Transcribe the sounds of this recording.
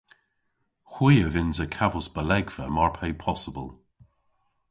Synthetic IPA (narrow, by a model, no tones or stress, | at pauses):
xwiːəvɪnzəkʰavʊsb̥əlɛɡvə̰maɹpʰɛjpʰɔsəbəlˠ